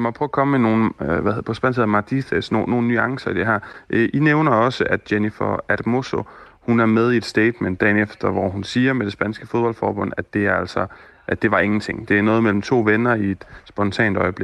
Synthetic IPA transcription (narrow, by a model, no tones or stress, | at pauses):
imɒ̥pʰʁɔːɐkʰɒ̽məmeno̝ːn̩ʋæpʰɒ̽sb̥æn̰sheð̰ˠmɑ̈d̥ʰiθesnoːo̝ːn̩nyɑ̈ŋsɐid̥e̝ɦæɐ̰ʔʔineʊnɐɒ̽səʔæd̥̚jenifɐæd̥mo̝sohunæɐmeð̞ˠie̝d̥sd̥eɪd̥mend̥ːɛ̰ːnefd̥ɐʋɒhunsiːɐmed̥e̝sb̥ænsɡ̥əfo̝ð̞ˠb̥ɒ̽l̰̥fɒ̰ːb̥ɔ̽n̰æd̥d̥e̝æɐæl̰sɒ̽ | ʔæ̥e̝ʋɑ̈e̝ŋn̩t͡sʰe̝ŋ̰d̥e̝æɐnɔ̽ːð̞̩ˠmel̰m̩t͡sʰo̝̰ːʋenɐie̝d̥sb̥ɒ̽nt͡sʰɛ̰ːnd̥ɒ̽ɪəb̥leɡ̥